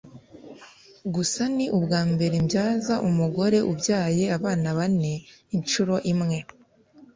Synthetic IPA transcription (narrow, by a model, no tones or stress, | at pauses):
ɡusaniʔubɡaːmbe̞ɾembjaːzaʔumuɡo̞ɾe̞ʔubɟaːje̞aβaːnaβane̞int͡ʃuɾo̞ʔimŋe̞